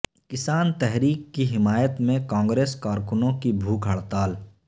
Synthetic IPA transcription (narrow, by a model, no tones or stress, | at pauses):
kɪsaːnt̪ɛɦɾiːkːiɦɪmaːjət̪mẽkãːŋɡɾeːskaːɾkʊnõkibʱuːkɦɐɽt̪aːl